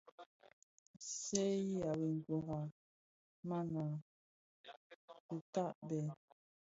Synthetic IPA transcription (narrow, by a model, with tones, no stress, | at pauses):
se˦ji˦a˨we˨ŋ̩˨ɡwɔ˨ɦa˨ | ma˦na˨ | u˨ta˦˨ʔbɛ˨